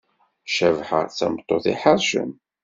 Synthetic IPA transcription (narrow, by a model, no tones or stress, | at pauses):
ʃævħə̰ʁt͡sːæmt̪ˤːoθiħəɾʃə̰m